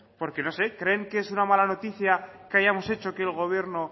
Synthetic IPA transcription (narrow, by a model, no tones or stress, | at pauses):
po̞ɾke̞no̞se̞kɾe̞ːŋkeesunamalano̞t̪iθjakeaʝamo̞se̞t͡ʃo̞ke̞lɣ̞o̞β̞je̞ɾno̞